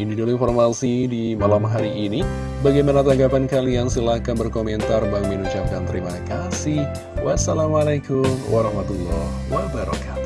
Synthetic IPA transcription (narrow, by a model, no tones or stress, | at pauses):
inidulinformasidimalamɦaɾiːni | baɡajmanat̪aŋɡapankaliaŋsəlakanbərkomɛnt̪arbaŋminut͡ʃap̚kant̪əɾimakasih | wʔasalamalakʊmwaɾɑhmat̪ulːɔhwabaɾa̰kat̪u̥